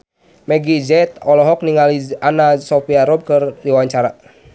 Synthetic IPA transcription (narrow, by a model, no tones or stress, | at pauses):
mɛɡid͡ʒɛt̪ɔlɔɦɔk̚niŋalianasopiaɾɔb̚kərdiwaɲt͡ʃaɾa